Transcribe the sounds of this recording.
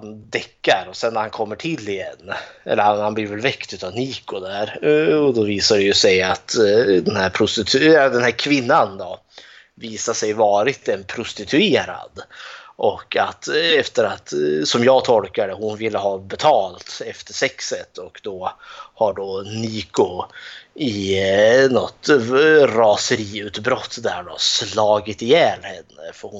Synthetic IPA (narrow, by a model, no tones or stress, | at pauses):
and̪ɛkːaɾɔsɛnːæɾhankʰɔmːəʈʰɪlːɪjɛnːɛ̰lːəɾhanhanbliːɾvɛlvɛkt̪ʉ̟ːt̪avniːkʊd̪æɾɔd̪ɔviːsaɖɛjɵsɛjat̪d̪ɛnhæɾpʰɾʊst̪ɪt̪ʰɛd̪ɛnhæːɾkʰvɪnːand̪ɔ | viːsaʂɛjvɑːɾɪt̪ɛnpʰɾʊst̪ɪt̪ʰɵeːɾa̰d̪ʔɔkːat̪ɛft̪əɾat̪sɔmjɑːɡt̪ʰɔlkad̪əhʊnvɪlːəɦɑːbɛt̪ʰɑːlt̪ɛft̪əʂɛksət̪ɔkd̪ɔhaɖɔniːkʊ | ɪ | nɔt̪ | ɾɑːsəɾiːʉ̟ːt̪bɾɔt̪ːd̪æɖɔslɑːɡɪt̪ɪjɛnhɛnːə̰fɔɾhʊ